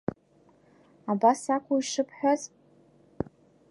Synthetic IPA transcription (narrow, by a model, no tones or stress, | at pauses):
abasakʷʰuiʂɨpʰħʷᶣaz